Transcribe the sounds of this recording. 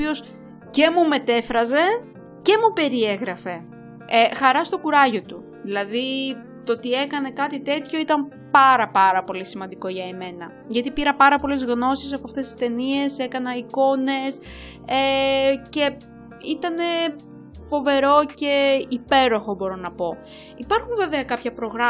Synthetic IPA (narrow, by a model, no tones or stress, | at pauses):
io̞s | ce̞mume̞t̪e̞fɾɐze̞ | ce̞mupe̞ɾie̞ɣɾɐfe̞ | exɐɾɐst̪o̞kuɾɐʝo̞t̪u | ðilɐði | t̪oot̪ie̞kɐne̞kɐt̪it̪e̞t̪ço̞it̪ɐm | pɐɾɐpɐɾɐpo̞lisimɐnd̪iko̞ʝɐeme̞nɐ | ʝɐt̪ipiɾɐpɐɾɐpo̞lezɣno̞sis̬ɐpoɐft̪et̪i̥st̪e̞nie̞se̞kɐnɐiko̞ne̞s | ece̞ | it̪ɐne̞ | fo̞ve̞ɾo̞ce̞ipe̞ɾo̞xo̞bo̞ɾo̞nɐpo̞ | ipɐɾxunve̞veɐkɐpçɐpɾo̞ɣɾɐ